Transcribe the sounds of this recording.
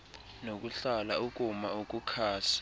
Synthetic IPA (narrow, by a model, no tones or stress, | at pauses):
nok̬ʼuɬalaukʼumaukʼukʰaːsḁ